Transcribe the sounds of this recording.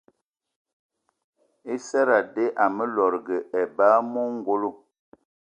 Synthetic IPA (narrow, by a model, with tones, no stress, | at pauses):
e˦sɛ˦ɾa˨de˦ʔa˨mə˦lɔ˨ɾɡə˨ʔɛ˨ba˦mo˦ŋ˦˨ɡo˦lo˦˨